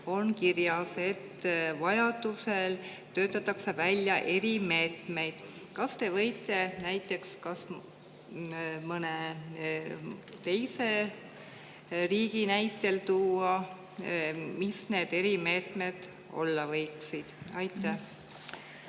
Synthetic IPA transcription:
o̞nkirjɑse̞t̪ːvɑjɑd̪̥use̞l | t̪ø̞ːt̪ːˑɑt̪ːˑɑkse̞vælʲjɑʔe̞ɾime̞ːt̪me̞jd̪̥kɑst̪e̞vɤ̞jt̪ːˑe̞næjt̪ːˑe̞kskɑs | mɤne | t̪e̞jse̞ | riːɡinæjt̪ːˑe̞lt̪uːɑ | misne̞ːd̪̥e̞ɾime̞ːt̪ˑme̞d̪̥ | o̞̰lːɑvɤjksid̪̥ɑjt̪ːˑæh

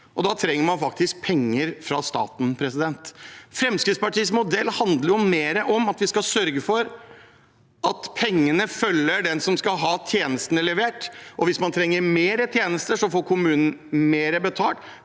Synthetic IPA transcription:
ʔɔd̪ɑt̪ʰɾɛŋːəɾmɑnfɑk̚t̪ɪsk̚pʰɛŋːəɾfɾɑst̪ɑ̰ːt̪n̩pʰɾɛsɪd̪ɛnt̪fɾɛmskɾɪt̪spɑʈiːsmʊd̪ɛlːhɑnd̪ləɾjʊmeːɾəʔɔmɑt̪ʋɪskɑsœɾɡəfɔɾ | ʔɑt̪pʰɛŋːənəfœlːəɖɛnsɔmskɑlɦɑːt̪ʰjeːnəst̪ənəlɛʋeːʈʔɔʋɪsmɑnt̪ʰɾɛŋːəɾmeːɾət̪ʰjeːnəst̪əʂɔfoːɾkʰʊmʉːnən̩meːɾəbət̪ʰɑːlt

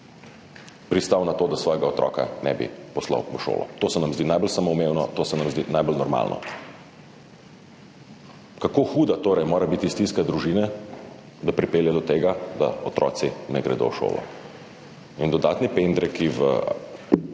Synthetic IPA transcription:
pɾist̪awnat̪oːd̪asʋɔːjɛɡaɔt̪ɾʔɔ̰ːka̰nɛ̰bḭpɔsla̰wʋəʃo̰ːlɔ̰t̪oːsɛnamzd̪iːnajbɔlsamoumewnɔt̪oːsɛnamzd̪inajbɔlnɔɾma̰ːlnʔɔ̰ | kakoːxuːd̪at̪oːɾɛjmoːɾabit̪ist̪inskad̪ɾuʒina | d̪apɾipeːljad̪ɔt̪eːɡad̪a̰ɔt̪ɾɔ̰ːt̪sinɛɡɾɛ̰d̪o̰wʃo̰ːlɔ̰ | ind̪ɔd̪aːt̪nipend̪ɾɛkiʋə̰

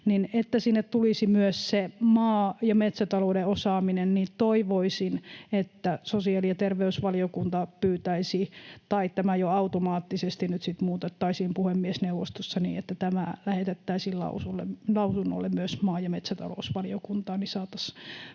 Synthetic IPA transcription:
ninet̪ːæsinːet̪t̪ulisimyøssemɑːjɑmet̪sæt̪ɑloudeosɑːminennit̪oiʋoisinet̪ːæsosiɑːlijɑt̪erʋeysʋɑliokunt̪ɑpyːt̪æisit̪ɑit̪æmæjoɑut̪omɑːt̪ːisest̪innyt̪sit̪muːt̪et̪ːɑisiːmpuhemːiesneuʋːo̰st̪osːɑnḭːet̪ːæt̪æmælæhet̪et̪ːæisiːllɑ̰usulːḛmlɑusunːo̰lːemmyøsmɑːjɑmet̪sæt̪ɑ̰lo̰usʋɑliokunt̪ɑːnisɑːt̪ɑs

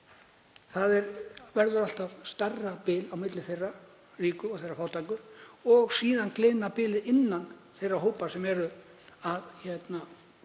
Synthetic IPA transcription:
θaðɛɾvɛɾðʏɾal̥t̪avst̪arːapɪːlawmɪt̪lɪθejrːa | riːkʏɔɣθejrːafaːwt̪ʰajkʏɔɣsiːðanklɪːnapɪːlɪɪnːanθejrːaɦoːwpasɛmɛɾʏ | aðçɛt̪na

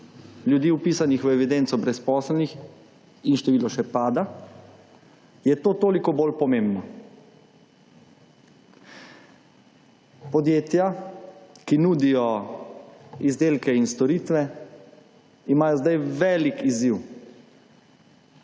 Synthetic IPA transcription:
ljud̪iːupiːsanixʋɛʋid̪ɛnt̪sɔbɾɛspɔːslnix | inʃt̪ɛʋiːlɔʃɛpaːd̪a | jɛt̪oːt̪oːlikɔbolpɔmẽmbnɔ | pɔd̪jeːt̪ja | kinuːd̪ijɔ | izd̪eːlkɛinst̪ɔɾiːt̪ʋɛ | imaːjɔzd̪ajʋɛːlikiziw

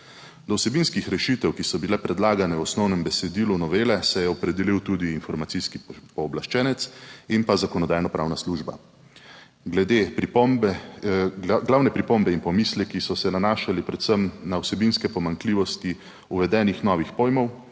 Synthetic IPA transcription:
d̪ɔwsɛbinskixɾɛʃit̪ɛwkisɔbilɛpɾɛd̪laːɡanɛwɔsnɔwnɛmbɛsɛd̪iːlunɔʋeːlɛsɛjɛɔpɾɛd̪ɛliwt̪uːd̪iːnfɔɾmatsiskipɔːblaʃt͡ʃɛːnɛt̪sinpazakɔnɔd̪aːjnɔpɾawnasluːʒba̰ | ɡlɛd̪epɾipmb | ɡlawnɛpɾipombɛinpɔmiːslɛkisɔsɛnanaːʃalipɾɛt̪səmnawsɛbinskɛpɔmaŋkliːʋɔst̪i | uʋɛd̪ɛːnixnɔʋixpoːjmɔw

